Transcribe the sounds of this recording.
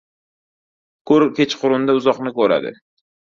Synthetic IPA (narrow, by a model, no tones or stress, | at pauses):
kʰɵɾkʲet͡ʃqʰʊɾʊnd̪aʊzɒqnɪkɵɾa̰d̪ɪ̰